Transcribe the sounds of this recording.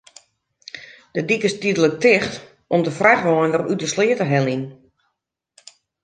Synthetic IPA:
d̥ədikɪstidələk̚tɪxt | ɔmdəfrɛxʋɔjndərytəslɪətəɦɛlin

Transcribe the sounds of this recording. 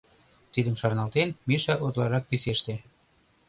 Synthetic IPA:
t̪id̪əmʃɑrnɑlt̪enmiʃæʔot̪lɑɾɑk̚piseʃt̪e

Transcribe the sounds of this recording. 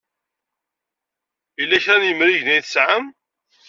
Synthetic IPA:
ilːæçɾænjəmɾiʝnæjθsʕəm

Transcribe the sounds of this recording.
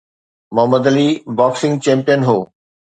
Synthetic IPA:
mɐɦəmːəd̪ɐlibɔːksɪ̃ŋɡt͡ɕẽːmpijənɦoː

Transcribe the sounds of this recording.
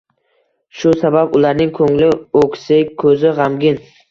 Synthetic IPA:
ʃʊsababʊlaɾnɪŋkʰɵŋlɪokʰʲsɪkʰɵzɪʁamɡʲɪn

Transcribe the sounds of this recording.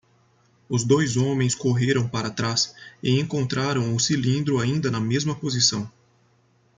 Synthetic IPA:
ʊzd̪ojzõmẽj̃skoɦeɾɐ̃w̃paɾɐt̪ɾasɪẽŋkõnt̪ɾaɾɐ̃w̃ʊsilĩnd̪ɾʊaĩnd̪ɐnɐmezmɐpozisɐ̰̃w̃

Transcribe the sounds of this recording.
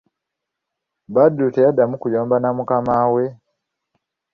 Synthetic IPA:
badutejadamukujoːmbanamukamaːwe

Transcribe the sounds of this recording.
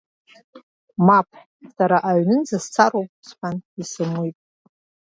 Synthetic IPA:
mapʰħ | saɾaʔaɥnɨnd͡zast͡sʰaɾowpʼsħʷanisɨmujtʼ

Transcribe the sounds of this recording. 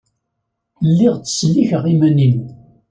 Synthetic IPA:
lːɪʁt͡sːə̥sliçəʁimænin

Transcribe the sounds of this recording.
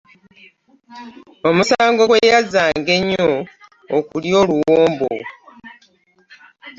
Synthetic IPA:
o̞musaːŋɡo̞ɡwejazaːŋɡe̞ɲːoː | kuljo̞ːluwoːmbo̰

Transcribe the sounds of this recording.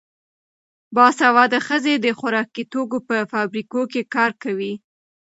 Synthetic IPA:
bɑsawɑd̪əxəzed̪əxaɾɑkit̪ok̬opəfɑbɾikokekɑɾkawi

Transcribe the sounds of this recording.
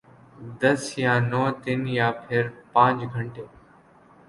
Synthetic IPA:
d̪ɐsjãnɔːt̪ɪnjaːpʰɪɾpãːt͡ʃɡʱɐɳʈeː

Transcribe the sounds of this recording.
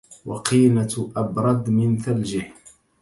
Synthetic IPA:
wɑ̰qiːnaʔɑbɾˤɑd̪mɪnθald͡ʒɪħ

